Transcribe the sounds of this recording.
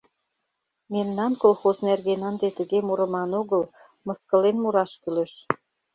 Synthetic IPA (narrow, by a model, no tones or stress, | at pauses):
memnɑnkolxoznerɣenənd̪et̪əɣemuɾə̆mɑnoɣəl | mɤ̆skə̆lenmuɾɑʃkyleʃ